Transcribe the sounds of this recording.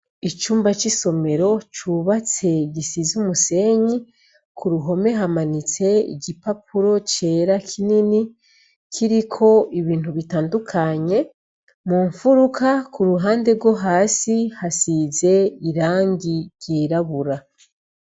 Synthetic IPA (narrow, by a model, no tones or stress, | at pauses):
it͡ʃuːmbat͡ʃiso̞me̞ɾo̞t͡ʃuβat͡se̞ɟisizumuse̞ɲi | kʰuɾuɦo̞me̞ɦamanit͡se̞ḭɡɟipap̚ʰuɾo̞t͡ʃe̞ːɾakʰinini | kʰiɾikʰo̞iβiːntuβitaːndukʰaɲe̞ | muɱfuɾukakuɾuɦaːnde̞ɾɡo̞ɦaːsihasize̞iɾaːŋɡiɾɟiːɾaβuɾa